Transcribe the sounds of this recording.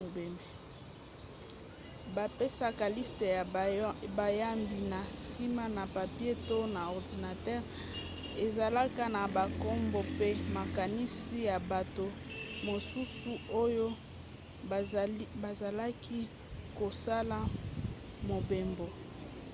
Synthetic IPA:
o˨be˨mbe˨ | ba˨pe˦sa˦ka˨li˦ste˨jba˨ja˦mbi˨na˨si˦ma˦na˨pa˨pje˦to˦na˨ɔ˨ʁdi˨na˨tɛ˦ʁ | e˨za˨la˦ka˦na˨ba˨ko˦mbo˦pe˦ma˨ka˨ni˦si˦ja˨ba˨to˨mo˨su˦su˦o˦jo˦ | ba˨za˨la˦ki˦ | ko˨sa˦la˦˨ | mo˨be˨mbo˨

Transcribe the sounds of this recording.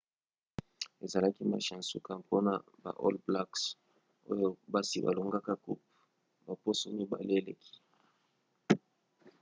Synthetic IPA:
e˨za˨la˦ki˦ma̰˨ʃa˨nsṵ˦ka˨po˦na˨ | ba̰˨ʔo̰˦lbla˦ks | o̰˦jo˦ba˦si˦ba̰˨lo˨ŋɡa˦ka˦kṵ˦p̚ | ba˨po˦so˦mi˦ba̰˨le˦lḛ˨kʰi̥˦

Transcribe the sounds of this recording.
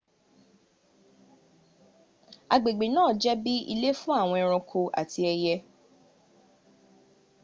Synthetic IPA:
a˨ɡ͡be˨ɡ͡be˨nãː˦˨d͡ʒɛ˦bi˦ḭ˧le˦fũ˦a˦˨w̃ɔ̃˧i˧ɾ̃ɔ̃˧kʰo˧a̰˨ti˦ɛ˧jɛ˧

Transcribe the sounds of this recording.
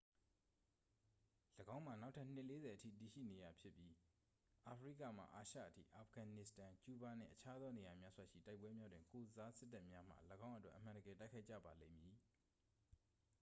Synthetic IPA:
ləɡã˦ʊ̃m̥a˨na˦ʊtʰa˦˨n̥ɪ˦ʔle˨˦zɛ˨ʔətʰḭ˦˨ti˨ʃḭ˦˨ne˨ja˨pʰjɪ˦pːji˦ | ʔa˨pʰəɹḭ˦˨ka̰˦˨m̥a̰˦˨ʔa˨ʃa̰˦˨ʔətʰḭ˦˨ʔa˨pɡ̥ã˨nɪ˦˨stã˨t͡ɕu˦ba˨nɪ̰̃˦˨ʔət͡ɕʰa˦d̪ɔ˦ne˨ja˨mja˦zwa˨ʃḭ˦˨ta˦ɪpwɛ˦mja˦dwɪ̃˨ŋko˨za˦sɪ˦tːa˦ʔmja˦m̥ä̰˨ləɡã˦ʔətwɛ̰˦ʔəmã˨ndəɡɛ˨ta˦ɪkʰa˦ɪʔt͡ɕa̰˦˨ba˨lḛ̃˦˨mji˨

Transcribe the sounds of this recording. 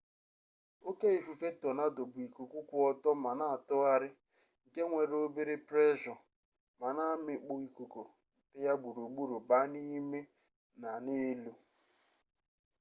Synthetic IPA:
o˦ke˦i˨fu˨fe˦tɔ˨na˦dʊ˨bʊ˨i˨ku˨kʷu˦kʷʊ˦ɔ˦tɔ˦ma˨na˦a˨tʊ˦a˦ɾɪ˦˨ | ɡe˦ŋʷe˨ɾo˦be˦ɾɪ˦pɾe˦ʒɔ˨ | ma˨na˦mɪ˨k͡po˨i˨ku˨ko˨ | tɪ˦ja˦ɡ͡bu˨ɾu˨ɡ͡bu˦ɾu˨ba˦ni˦me˦ | na˨ne˦lu˦

